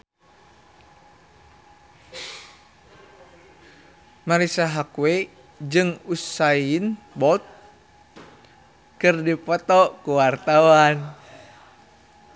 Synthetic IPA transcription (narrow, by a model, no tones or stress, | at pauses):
maɾisaɦakwe | d͡ʒɨŋusain | bɔt̪̚ | kɨrdipɔt̪ɔʔkuwart̪awan